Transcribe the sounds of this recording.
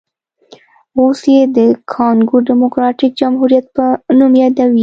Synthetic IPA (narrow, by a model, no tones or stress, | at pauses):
osjed̪əkʰɑnɡuɖɪmokɾɑʈɪk̚d͡ʒamɦuɾijat̪̚pənumjɑd̪awi